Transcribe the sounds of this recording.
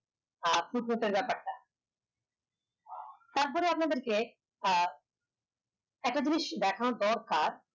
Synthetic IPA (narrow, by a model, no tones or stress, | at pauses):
fuʈ̚kuʈ̪eɾbɛpaɾʈa | t̪aɾp̬ɔɾejapnad̪eɾke | ɛk̚ʈad͡ʑiniʃd̪ɛkʰanod̪ɔɾkaɾ